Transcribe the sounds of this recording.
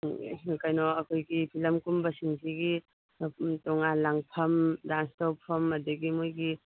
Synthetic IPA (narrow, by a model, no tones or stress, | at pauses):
kajnɔɐkʰojɡipʰilɐmkumbɐsiŋsʰiɡi | tɔŋalaŋpʰɐmdanstɔpʰːɐmɐdɐɡimujɡi